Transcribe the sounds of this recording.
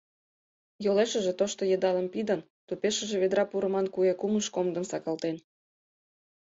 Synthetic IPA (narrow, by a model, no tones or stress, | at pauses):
joleʃəʒet̪oʃt̪ojəd̪ɑləmpid̪ən | t̪upeʃə̆ʒĕβed̪ɾɑpuɾə̆mɑnkuekuməʃkomd̪əmsɑkɑlt̪en